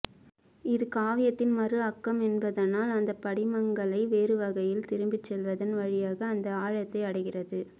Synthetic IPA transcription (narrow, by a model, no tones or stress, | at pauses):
ɪðɯkaːʋɪjɐt̪ːɪnmɐrɯɐkːɐmɛnbɐðɐnaːlɐnd̪ɐpːɐɽɪmɐŋɡɐɭɐɪʋeːɾɯʋɐɣɐjɪlt̪ɪɾɯmbɪt͡ʃːɛlʋɐðɐnʋɐɻɪjaːɣɐːnd̪ɐaːɻɐt̪ːɐɪɐɽɐɪɣɪrɐðɯ